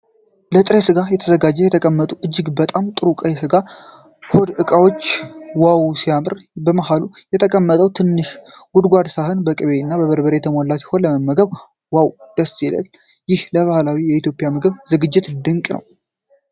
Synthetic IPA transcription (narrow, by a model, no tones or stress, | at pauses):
lət̪ʼɾesɨɡajɛt̪ʰəzəɡad͡ʒːɛjɛt̪ʰəkʼəmːət̪ʼuʔɨd͡ʒːɪɡbət̪ʼamt̪ʼɨɾukʼəsɨɡa | hod̪ɨkʼawot͡ʃːwawsijamɨɾbəmahalujɛt̪ʰəkʼəmːət̪ʼəwt̪ʰɨnːɨʃ | ɡud̪ɡʷad̪sahɨnbəkʼɨβenːabəβəɾbəɾejɛt̪ʰəmolːat̪jɛ̥honləməmːəɡəβ | wawd̪̥əst̪ilə̰l | jɪhləβahlawijɛit̪jo̞pʼɪjamɨɡɨβzɨɡɨd͡ʒːɪt̪d̪ɨŋkʼnə̰w